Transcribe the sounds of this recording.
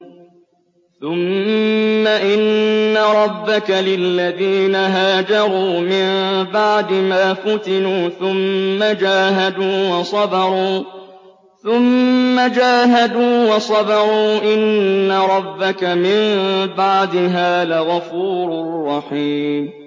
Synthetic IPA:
θʊmː | aʔɪnːaɾˤɑbːakalɪlːaðiːnaɦaːd͡ʒɑɾˤuːmɪmbaʕd̪ɪmaːfʊt̪ɪnuːθʊmːad͡ʒaːɦad̪uːwɑsˤɑd̪ɑɾˤuː | θʊmːad͡ʒaːɦad̪uːwɑsˤɑd̪ɑɾˤuːʔɪnːaɾˤɑbːakamɪmbaʕd̪ɪɦaːðaɣafuːɾʊrˤːɑħiːm

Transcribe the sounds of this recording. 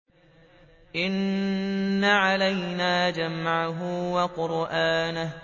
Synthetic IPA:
ʔɪnː | aʕalajnaːd͡ʒamʕaɦʊwaqʊɾʔaːnah

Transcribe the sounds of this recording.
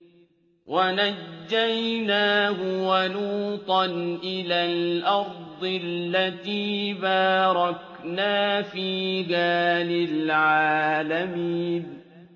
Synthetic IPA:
wʔanad͡ʒːajnaːɦʊwanuːt̪ˤɑnʔɪlaːlʔɑɾˤd̪ˤɨlːat̪iːbaːɾˤɑk | naːfiːɡaːlɪlʕaːlamiːn

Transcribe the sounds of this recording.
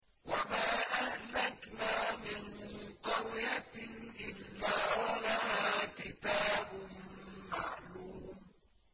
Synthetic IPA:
wamaːʔahlaknaːmɪnt̪ɑwjaʔɪlːaːwalahaːkɪt̪aːbʊmmaʕluːm

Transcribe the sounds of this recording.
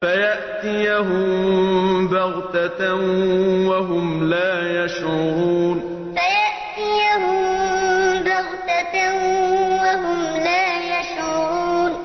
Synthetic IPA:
fajaʔt̪ɪjaɦʊm | baɣt̪a | waɦʊmlaːjaʃʕɾʊɾuːn | fajaʔt̪ɪjaɦʊm | baɣt̪a | waɦʊmlaːjaʃʕʊɾuːn

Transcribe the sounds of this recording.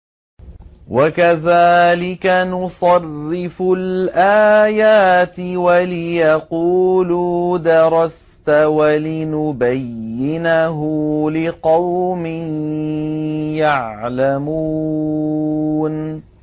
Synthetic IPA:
wʔakaðaːlɪkanʊsˤɑrːɪfʊlʔaːjaːt̪ɪwalɪjɑquːlud̪ɑɾˤɑs | t̪awalɪnʊbajːɪnaɦʊlɪqɑwmɪ | jaʕlamuː | n

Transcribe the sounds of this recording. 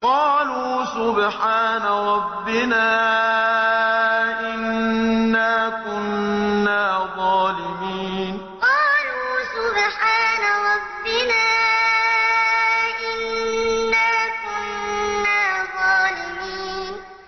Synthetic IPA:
qɑːluːsʊbħaːnaɾˤɑbːɪnaː | ʔɪnː | aːkʊnːaːðˤɑːlɪmiːn | qɑːluːsʊbħaːnaɾˤɑbːɪnaː | ʔɪnː | aːkʊnːaːðˤɑːlɪmiːn

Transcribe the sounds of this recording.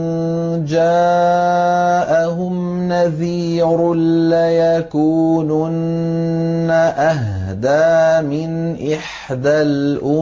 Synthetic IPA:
d͡ʒaː | ʔaɦʊm | naðiːɾlajakuːnʊnː | aʔaɦd̪aːmɪnʔɪħ | d̪alʔʊ

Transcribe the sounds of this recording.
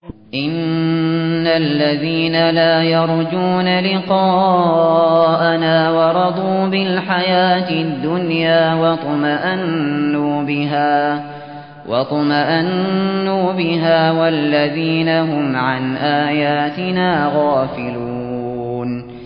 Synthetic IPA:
ʔɪnː | alːaðiːnalaːjɑɾˤd͡ʒuːnalɪqɑː | ʔanaːwɑɾˤɑd̪ˤuːbɪlħajaːt̪ɪd̪ːʊnjaːwɑt̪ˤɑmaʔanːuːbɪɦaː | wʔɑ̰t̪ˤɑmaʔanːuːbɪɦaːwalːaðiːnaɦʊmʕanʔaːjaːt̪ɪnaːɣaːfɪluː | n

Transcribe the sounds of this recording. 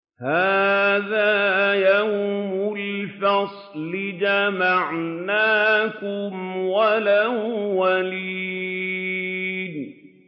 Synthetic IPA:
haːðaːjawmʊlfɑsˤlɪd͡ʒamaʕnaːkʊmwalawwaliː | d̪

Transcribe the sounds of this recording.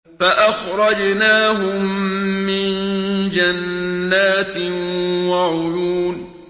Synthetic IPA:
faʔaxɾˤɑd͡ʒnaːɦʊmːɪnd͡ʒanːaːt̪ɪwaʕʊjuːn

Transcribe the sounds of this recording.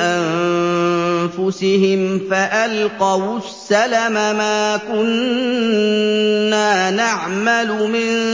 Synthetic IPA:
ʔan | fʊsɪhɪmfaʔalqɑwʊsːalamamaːkʊn | aːnaʕmalʊmɪn

